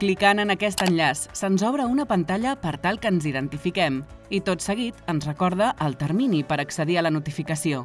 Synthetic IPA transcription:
klikanənəkɛst̪ənʎasːənzɔβ̞ɾəunəpənt̪aʎəpəɾt̪alˠkəːnziðənt̪ifikɛm | it̪ot̪səɣ̞it̪ənzrəkɔɾð̞əʔːlˠt̪əɾminipəɾəksəðiələnut̪ifikəsio

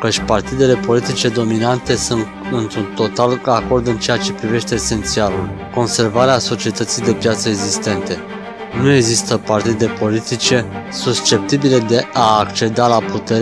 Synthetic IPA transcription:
kət͡ʃʲpart̪id̪e̞le̞po̞lit̪it͡ʃe̞d̪o̞minant̪e̞sun | ɨnt̪ɾunt̪o̞t̪alako̞rd̪ɨnt͡ʃe̞jat͡ʃe̞pɾive̞ʃt̪e̞ːse̞nt̪sialulko̞nse̞rvaɾeaso̞t͡ʃie̞t̪ət̪sijd̪e̞pjat̪səeɡzist̪e̞nt̪e̞ | nue̞ɡzist̪əpart̪id̪e̞po̞lit̪it͡ʃe̞sust͡ʃe̞p̚t̪ibile̞d̪e̞ʔaːkt͡ʃe̞d̪alaput̪e̞ɾ

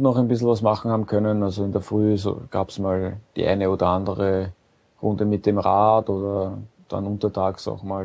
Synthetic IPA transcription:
nɔχæɛnbɪsl̩vasmaχn̩haːbm̩kʰœnənalzoɪndeːɐfʁyːso̰ːɡ̥a̰ːbsmaːld̥ḭːʔæ̰ɪnəoːdɐandəʁə | ʁʊndəmɪt̚d̥emʁaːtoːdɐd̥a̰nʊntɐtʰaːksa̰ʊxmaːl

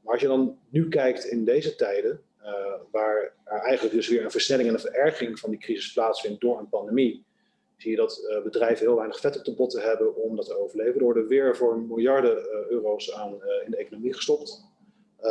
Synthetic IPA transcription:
maːɹɑʃjədɑnnykɛjktɪndejzətɛjdə | ʋaːɹɛɹɛjχənləɡ̚dɵsʋɪːɹənvəɹsnɛlɪŋɛnənvəɹɛɹχɪŋv̥ɑndikrizɪsplaːtsfɪnt̚dʊːɹənpɑndemi | z̥ijədɑtbədrɛjvənɦɪːlˠʋɛjnəχfɛtɔp̚təbɔtəɦɛbənɔmdɑtəowvəɹlejvəndəʋɔɹdəʋɪːɹvʊːɹmɪlˠjɑɹdəøːrowsaːnɪndəejkonomiχə̥stɔpt

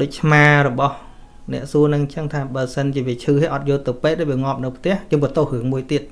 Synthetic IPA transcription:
ɗoːc̚t͡ɕʰmaːrɔɓɑh | nɛ̆əʔsuənɨŋt͡ɕəŋt̪ʰaːɓaəlsənt͡ɕiəʋiət͡ɕʰɨːheʔɑt̪̚joːlt̪ɨwpeːk̚ɗaːʋiəŋŏəp̚nɨwpʰt̪ɛ̆əhjɨəŋɓət̪ohrɨəŋmuəjt̪iət̪̚

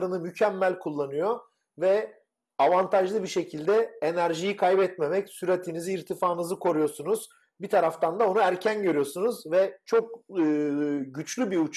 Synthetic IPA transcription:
ɾɯnɯmycʰɛmːælʲkʰulˠːanɯjo | vɛ | avant̪ʰaʒlˠɯbiʃe̞cʰilʲd̪ɛenæɾʒijikʰajbɛt̪me̞mɛcsyɾat̪ʰiniziːɾt̪ʰifaːɯnɯzɯkʰo̞ɾujo̞sunuz̥ | bit̪ʰaɾaft̪ʰand̪ao̞nuæɾcʰænɟø̞ɾyjo̞sunuzvɛt͡ʃʰo̞k̚ɯɟyt͡ʃlʲybiut͡ʃʰ

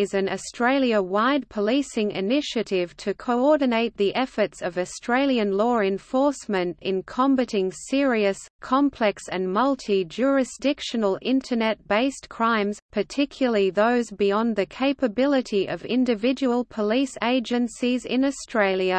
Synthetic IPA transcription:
ɨzɨ̃nɨstɹ̥eɪlˠjɨwaɪd̚pʰəlisɪ̃ŋʔɪ̰nɪʃɨɾɪv̥tʰɨkʰoʊɔɹdⁿn̩eɪt̪̚ðiʔɛfə˞tsʌvɨstɹ̥eɪlˠjɨ̃nlɔɹɨ̃ɱfɔɹsmɨ̃ntɨ̰̃nkʰɑ̃mbɨɾɪ̃ŋsɪɹiɨskʰɑ̃mpʰl̥ɛksɨ̃nmʌlˠtʰid͡ʒʊɹɨsdɪkʃɨnl̩ˠɪ̃ntʰə˞nɛt̚b̥eɪskʰɹ̥ãɪ̃mz̥pʰə˞tʰɪkʰjl̩ˠəiðoʊzbiɑ̃nðɨkʰeɪpɨbɪlˠɨɾiʔʌvɪ̰̃ndɨvɪd͡ʒɨwəlˠpʰəliseɪd͡ʒɨ̃nsizɪ̰̃nəstʰɹ̥eɪlˠjɨ

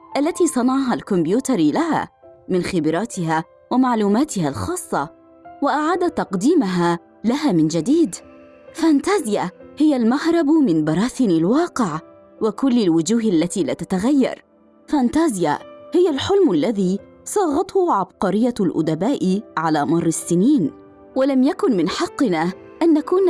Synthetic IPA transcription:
ʔalːat̪iːsˤɑnɑʕɑɦalkʊmbjuːt̪ɑɾˤlaɦa̰ːmɪnxɪbɾˤɑːt̪ɪɦaː | wamaʕluːmaːt̪ɪhalxɑːsˤːɑ | waʔaʕaːd̪at̪ːɑqd̪iːmaɦaː | laɦaːmɪnd͡ʒad̪iːd̪ | fant̪aːzɪjahɪjalmahɾˤɑbmɪnbɑɾˤɑːθɪnalwɑːqɪʕ | wɪkʊlːalwʊd͡ʒuːɦalːat̪iːlaːt̪at̪aɣajːɑ̰ɾˤ | fant̪aːzɪjahɪjalħʊlmalːaðiː | sˤɑːɣɑt̪ˤhʊʕɑbqɑɾɪjːalʔʊ̰d̪abaːʔɪʕalaːmɑrˤːɪsːɪniːn | walamjakʊnmɪnħɑqːɪna | ʔanːakuːn

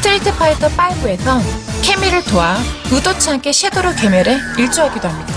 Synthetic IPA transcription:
stʰɯɾitʰɯpʰaitʰʌp͈aɭɡue̞sʰʌkʰe̞miɾɯɭtoaudot͡ɕʰɯɦank͈ʰe̞ɕʰedoɾokemjʌɾeiɭt͡ɕ͈uɦaɡidoɦamɲid̥a

